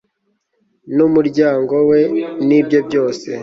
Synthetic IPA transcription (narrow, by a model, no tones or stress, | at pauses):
numuɾɟaːŋɡo̞we̞nibɟo̞bɟo̞ːse̞